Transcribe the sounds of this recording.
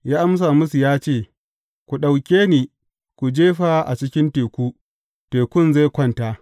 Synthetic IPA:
jaː˦ʔa˦ms̬aː˨mʊ˦su˨jaː˦t͡ʃeː˦˨ | kʷu˨ɗa˨wkʲeː˦niː˨ | kʷu˨d͡ʒeː˦ɸa˦ʔa̰˨t͡ʃɪ˦kʲɪ˦nteː˨kʷuː˦ | teː˨kʷʊ˦˨nza˦˨kʷɐ˦˨nta˦ʔ

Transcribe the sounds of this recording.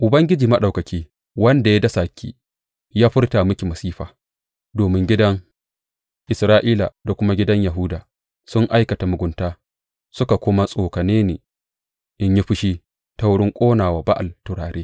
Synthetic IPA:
ʔʊ˨bɐ˦ŋɡʲɪ˦d͡ʒiː˨mɐ˦ɗa˨wkɐ˨kʲiː˦ | wɐ˦nda˨ja˦dɐ˦sa˨kʲʰḭː˦ | jaː˦ɸɪ˦rta˨mʊ˦kʲi˨mɐ˨siː˦ɸaː˨ | doː˨mɪ˦ŋɡʲɪ˦dɐ˦ŋ | ʔɪ˨sɾaː˦ʔiː˦la˨da˨kʷʊ˦ma˦ɡʲɪ˦dɐ˦ɲja˨ɦʊ˦daː˨ | sʊ˦ŋʔa˦jkɐ˨ta˨mʊ˨ɡʷʊ˨ntaː˦ | sʊ˦ka˨kʷoː˦ma˦sʼoː˨kɐ˨neː˦neː˨ | ʔɪ˦ɲji˦ɸɪ˦ʃi˦ | ta˦wɽɪ˦ŋkʷʼoː˦naː˨waː˨ba˦ʔa˨ltʊ˨ɽaː˨ɾeː˦

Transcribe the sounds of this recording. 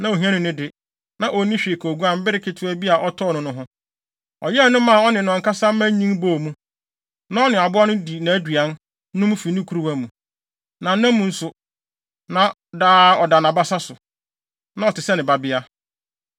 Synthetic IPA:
nã˨o˨ɦĩ˦ã˦nʊ̃˨nɪ̃˦dɪ˨ | nã˨ʔo˨nĩ˦ɕᶣɪ˨kʰo˨ɡu˦ã˦m̩˦bɪ˦ɾɪ˦kʰɪ˦tʰʊ˦æ˦bi˦a˨ʔɔ˦tʰɔ˦˨nʊ̃˨nʊ̃˦ɦʊ̃˦ | ɔ̰˨jɛ˦˨˦nʊ̃˦mã˦˨ɔ˦nɪ̃˨n˨ã˨ka˦sa˦m̩˦mã˦ɲĩ˦ŋboː˦˨mũ˦ | nã˦ɔ˦nɪ̃˨a˨bʊ˦a˦nʊ̃˦di˨nã˨æ˦dɥa˦n | nʊ̃˦m˦fi˨nĩ˦kʰu˦ɾu˦wa˦mũ˨ | nã˨n̩˦nːã˦mũ˨n̩˦sʊ˨ | nã˨ | daː˦ɔ˨da˨nã˨ba˦sa˦sʊ˨ | nã˦ɔ˨tʰɪ˨sɛ˦nɪ̃˨ba˨bɪ˦a˦

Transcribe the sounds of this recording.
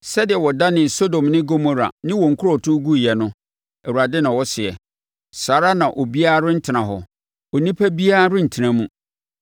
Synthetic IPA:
sɛ˦dɪ˨ɛ˨wɔ˨da˦nɪ̃˨so˦dõ˨mnɪ̃˦ɡo˦mo˦ɾa̰˨nɪ̃˦wɔ˨ŋ̩˨kʰʊ˦ɾɔ˨tʰʊ˦ɡu˦jɛ˨nʊ̃˦ | ɛ˨wu˨ɾa˨dɪ˦nã˨wɔ˦sɪ˨ɛ̰˨ | saː˨ɾa˦nã˨ʔɔ˨bi˦a˦ɾʊ˦n̩˦tʰɪ˨nã˨ɦɔ˨ | ɔ˨nĩ˦pʰæ˦bi˦a˦ɾʊ˦n̩˨tʰi˨nã˨mũ˦

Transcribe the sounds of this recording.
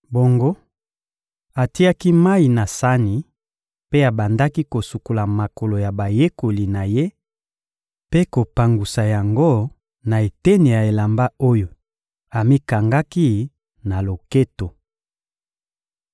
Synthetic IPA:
bo˨ŋɡo˦ | a˨ti˦a˦ki˦ma˦i˨na˨sa˦ni˨ | pe˦a˨ba˨nda˦ki˦ko˨su˨ko˨la˨ma˨ko˨lo˨ja˨ba˨je˦ko˨li˨na˨je˦ | pe˦ko˨pa˨ŋɡu˨sa˨ja˨ŋɡo˦ | na˨e˨te˦ni˨ja˨e˨la˨mba˦o˦jo˨ | a˨mi˦ka˨ŋɡa˦ki˦ | na˨lo˨ke˦to˨

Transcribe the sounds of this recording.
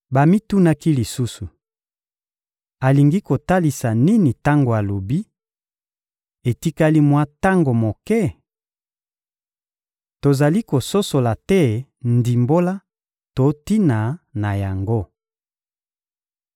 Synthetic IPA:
ba˨mi˦tu˦na˦ki˦li˨su˦su˨ | a˨li˨ŋɡi˦ko˨ta˦li˨sa˨ni˦ni˨ta˦ŋɡo˨a˨lo˨bi˦ | e˨ti˦ka˦li˦mwa˦ta˦ŋɡo˨mo˨kɛ˦ | to˨za˨li˦ko˨so˦so˨la˨tɛ˦ndi˨mbo˦la˦ | to˨˦ti˦na˨na˨ja˨ŋɡo˦

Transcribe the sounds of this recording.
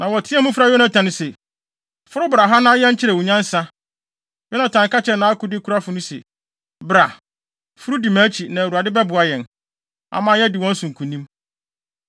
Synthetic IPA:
nã˨wɔ˨tʰɪ˦a˦mũ˦fɾa˨˦jɔ˦nã˨tʰã˨nʊ̃˨se˨ | fʊ˦ɾʊ˦bɾa˨ɦa˦nã˦jɛ̃˦ɲ̩˦t͡ɕʰɪ˦ɾɛ˨wu˨ɲã˦n˦sa˦ | jɔ˦nã˨tʰã˨ŋ˨ka˦t͡ɕʰɛ˨nã˦a˦kʊ˦dɪ˦kʰu˦ɾa˦fʊ˨nʊ̃˦sḛ˨ | bɾa˨ | fʊ˦ɾu˦di˨mã˨˦t͡ɕʰi˨nã˨wu˨a˨dɪ˦bɛ˦bʊ˨a˨jɛ̃˨n | a̰˨mãː˨˦jɛ˦dɪ˨wɔ̃˦n̩˦sʊ̃˨ŋ̩˨kʰũ˨nĩ˦m

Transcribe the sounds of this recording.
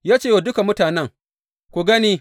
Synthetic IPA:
jaː˦t͡ʃeː˦˨wa˨dʊ˦ka˨mʊ˦taː˨nɛ˦ŋ | kʷu˨ɡɐ˦niː˦

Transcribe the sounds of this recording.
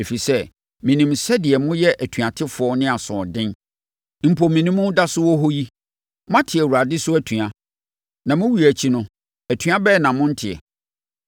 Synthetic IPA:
e˨fi˨sɛ˦ | mĩ˨nĩ˨msɛ˦dɪ˨ɛ˨mʊ̃˦jɛ˦ʔæ˨tʰɥã˨tʰɪ˦fʊ˨˦ɔ˦nɪ̃˦a˨sɔ̃˨dɪ̃˦n | m̩˨pʰo˨mĩ˨nĩ˦mʊ̃˦da˦sʊ˦wɔ˦ɦo˦ji˦ | mʊ̃˦ã˦tʰɪ˨ɛ˨wu˨ɾa˨dɪ˦sʊ˦æ˨tʰũ˨ã˦ | nã˨mʊ̃˦wu˨˦æ˨t͡ɕʰi˦nʊ̃˦ | æ˨tʰɥa˦bɛ˦˨nã˨mʊ̃˦n̩˦tʰɪ˨ɛ̰˨

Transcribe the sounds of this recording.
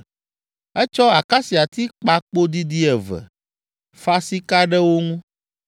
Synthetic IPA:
ɛ˦t͡ʃɔ˦a˨ka˦si˨a˨t̪i˦k͡pa˦k͡po˦d̪i˦d̪i˦ɛ˨vɛ̰˨ | fa˦si˦ka˦ɖɛ˦wo˦ŋũ˦

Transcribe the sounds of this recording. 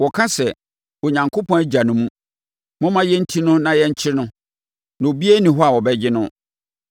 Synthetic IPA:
wɔ˨kʰã˦sɛ˨ | o˨ɲã˨ŋkʰo˦pʰɔ̃˦æ˦d͡ʑa˨nʊ̃˦mũ˦ | mʊ̃˦mã˦jɛ˦n̩˦tʰi˦nʊ̃˦nã˨jɛ˦ɲ̩˦t͡ɕʰɪ˦ɾnʊ̃˦ | na˨o˨bi˦e˦nĩ˨ɦɔ˦a˨wɔ˨bɛ˦d͡ʑɪ˦nʊ̃˦

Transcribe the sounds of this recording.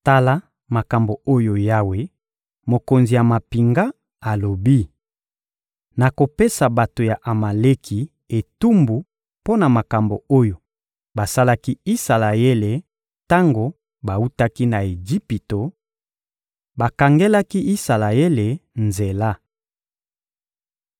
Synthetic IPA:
ta˦la˦ | ma˨ka˨mbo˨o˦jo˨ja˦we˦ | mo˨ko˨nzi˨ja˨ma˨pi˨ŋɡa˦ | a˨lo˨bi˦ | na˨ko˨pe˦sa˨ba˨to˨ja˨ʔa˨ma˨le˦kʰi˨ | e˨tu˦mbu˨ | po˦na˨ma˨ka˨mbo˨o˦jo˨ | ba˨sa˦la˦ki˦i˦sa˨la˨e˦le˨ | ta˦ŋɡo˨ | ba˨u˦ta˦ki˦na˨e˨d͡ʒi˦pi˨to˨ | ba˨ka˨ŋɡe˦la˦ki˦ʔi˦sa˨la˨e˦le˨nze˨la˦

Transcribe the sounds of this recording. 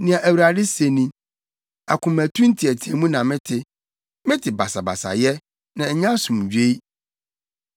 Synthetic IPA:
nɪ̃˨ã˨ʔæ˨wɾa˨dɪ˦se˨nĩ˦ | a̰˨kʰʊ̃˨mæ˨tʰũ˦n̩˦tʰi˨æ˨tʰi˨æ˨mũ˦nã˨mɪ̃˦tʰɪ˨ | mɪ̃˦tʰɪ˨ba˨sa˨ba̰˨sa̰˨jɛ˦ | nã˨ɲã˦sũ˨m˨ɥᶣe˦i˦

